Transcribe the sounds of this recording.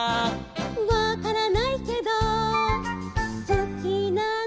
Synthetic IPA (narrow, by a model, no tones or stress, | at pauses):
βakaɾanaike̞d̪o | sokʲina